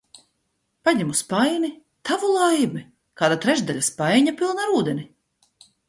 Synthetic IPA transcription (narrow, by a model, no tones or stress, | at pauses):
paɲɛmuspajni | t̪avulˠajmi | kaːd̪at̪ɾɛʒd̪aʎʲaspajɲapʲilˠnaɾuːd̪ɛnʲi